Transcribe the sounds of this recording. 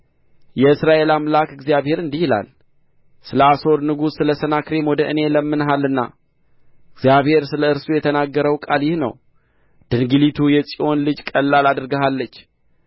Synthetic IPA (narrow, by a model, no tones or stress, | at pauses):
jɛɨsɾaʔe̞lamlakɨɡzijaβhe̞ɾɨnd̪ihila̰l | sɨləaso̞ɾnɨɡusːɨləsənakɾemwɔd̪əʔɨne̞ləmːɨnɦalːɨnːa̰ | ɨɡzijaβhe̞ɾsɨləɨɾsujɛt̪ʰənaɡːəɾəwkʼaljɪhnə̰w | d̪̥ɨŋɡɨlit̪ʰujɛsʼio̞nlɨd͡ʒkʼəlːalad̪ɨɾɡəɦalːət͡ʃː